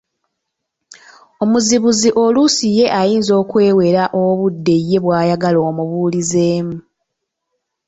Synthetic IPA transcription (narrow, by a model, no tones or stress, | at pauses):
o̞muziβuziʔo̞lusije̞ʔajiːnzo̞ːkwe̞ːwe̞ɾaʔoβudːe̞jːe̞βwaːjaɡalo̞ːmuβuːlizeːmu